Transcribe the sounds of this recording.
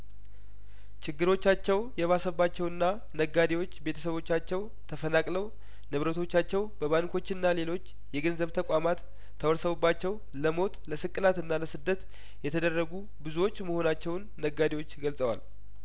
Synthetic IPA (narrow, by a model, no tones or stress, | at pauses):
t͡ʃʰɪɡːɨɾo̞t͡ʃːat͡ʃːɛwjɛβasəbːat͡ʃːɛwɨnːa | nəɡːad̪ewo̞t͡ʃːbe̞t̪ʰə̥səβo̞t͡ʃːat͡ʃːɛw | t̪ʰəfənakʼləw | nɨβɾət̪ʰo̞t͡ʃːat͡ʃːɛwbəβankʰo̞t͡ʃːɪnːale̞lo̞t͡ʃː | jɛɡənzəβt̪ʰəkʼamat̪ʰː | əwɔɾsəβubːat͡ʃːɛw | ləmo̞t̪ləsɨkʼːɨlat̪ɨnːaləsɨd̪ːət̪ | jɛt̪ʰəd̪ərːəɡu | bɨzuwo̞t͡ʃːməho̞nat͡ʃːɛwnːəɡad̪ewo̞t͡ʃːɡəlsʼəwa̰l